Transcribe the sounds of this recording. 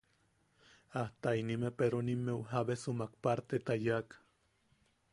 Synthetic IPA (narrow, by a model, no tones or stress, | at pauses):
aht̪ainimepeɾonimːewɦaβesomakpaɾt̪et̪ajakḁ